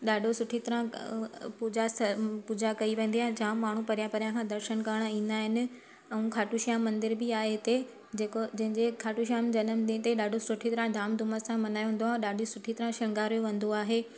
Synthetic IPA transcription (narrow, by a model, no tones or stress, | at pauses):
ɗaːɖʱosʊʈʰit̪ɐɾã | pud͡ʑasɐpuːd͡ʑakɐiʋẽːnd̪ijaːɦɪɪd͡ʑɐãmaːɳ̤upɐɾijãpɐɾjãkʰãd̪ɐɾʃənkaɾɽ̃aĩːn̆d̪aːɦɪnɪ̆ | ɛ̃ũkʰaːʈuʃijãmːɐ̃nd̪ɪɾbɪaːɦeɦɪt̪e | d͡ʑeːkod͡ʑɐ̃ɦɪ̃ɲd͡ʑekʰaːʈuʃijaːmd͡ʑɐnəmdĩt̪eɗaːɖʱosʊʈʰit̪ɐɾãd̪ʱaːmd̪ʱʊməsãmɐnaːj̃ɦn̆d̪oaːɦɗaːɖʱosʊʈʰit̪ɐɾãʃɐ̃ŋɡaːɾjoʋɐ̃nd̪oaːɦeː